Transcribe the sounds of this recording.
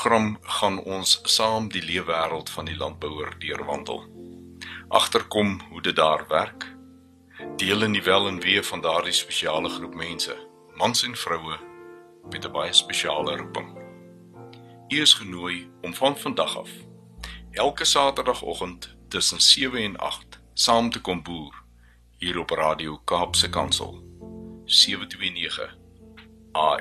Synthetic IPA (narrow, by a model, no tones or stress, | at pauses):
χrɐmχɐnɔnssɑːmdiliəvæːɾəlˠtfɐndilɐ̰nt̚bəwərdiərvɐ̰ndə̰lˠ | ʔɐ̰χtərkɔmɦudət̚dɑ̰ːrvæ̰rk | d̥iələndivælˠənviəfɐndɑːrdispeʃiɑːləχrupmɛnsə̰ | mɐnsɛnfrəwə | mɛtəbɐjəspeʃiɑ̰ːləɾupə̰ŋ | yəsχənuəjɔmfɐnfɐndɐχɐ̰f | ʔælˠkəsɑːtərdɐχɔ̰χəntːəsənsiəvəɛnɐ̰χt | sɑːmtəkɔmbuːr | ɦiːɾɔprɑːdiowkɑːpsəkɐ̰nsə̰lˠ | siəvətwiəniəχə̰ | ʔɑː